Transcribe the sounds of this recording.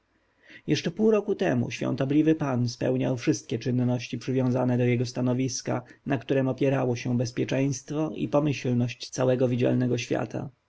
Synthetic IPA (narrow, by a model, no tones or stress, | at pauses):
jɛʂt͡ʂɛpuwɾɔkut̪ɛmṵɕfʲɔ̰̃nt̪ɔblʲivɘpanspɛ̰wɲawfʂɘst̪̚kʲɛt͡ʂɘnːɔɕt͡ɕipʂɘvʲjɔ̃w̃zanɛd̪ɔjɛɡɔst̪anɔvʲiskanakt̪uɾɛmɔpʲjɛɾawɔɕɛbɛspʲjɛt͡ʂɛj̃st̪fɔʔḭpɔmɘɕlnɔɕt͡ɕt̪sawɛɡɔvʲid͡ʑa̰lnɛɡɔɕfʲja̰t̪ʰa̰